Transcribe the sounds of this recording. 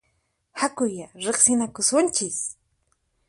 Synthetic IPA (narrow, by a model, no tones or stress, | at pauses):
hakʊjaɾeχsɪnakʊsʊnt͡ʃɪs